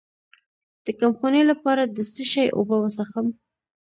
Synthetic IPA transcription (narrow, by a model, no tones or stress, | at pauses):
d̪̥əkamxonelapɑɾad̪əsəʃajʔo̰bawəsaxəm